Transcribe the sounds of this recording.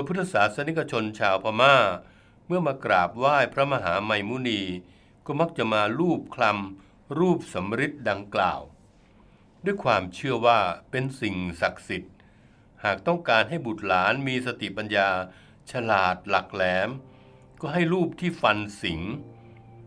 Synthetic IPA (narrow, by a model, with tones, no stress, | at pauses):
d̪o˧pʰɯ˦˥t̪ʰːa˧saː˩˦˥t̪̚sa˧ni˦˥k̚ːa˧t͡ɕʰo˧nt͡ɕʰaː˧wpʰa˧maː˥˩ | mɯ˥˩ɐmaː˧kɾaː˨˩p̚waː˥˩jpʰɾa˦˥ma˧ɦaː˩˦ma˧jmuː˦˥niː˧ | kɔː˥˩ma˦˥k̚t͡ɕa˨˩ʔmaː˧ɾuː˥˩p̚kʰla˧m | ɾuː˥˩p̚sa˩˦mɾi˦˥t̪̚da˧ŋkla̰ː˨˩w | du˥˩əjkʰwaː˧mt͡ɕʰɯ˥˩ɐwaː˥˩pe˧nsi˨˩ŋsa˨˩k̚si˨˩t̪̚ | haː˨˩k̚t̪ɔ˥˩ŋkaː˧nɦa˥˩jbu˨˩t̪̚laː˩˦˥nmiː˧sa˧t̪ʰi˨˩pa˧njaː˧ | t͡ɕʰa˧laː˨˩t̪̚la˨˩k̚lɛː˩˦m | kɔː˥˩ɦa˥˩jɾuː˥˩p̚t̪ʰiː˥˩fa˧nsi˩˦ŋ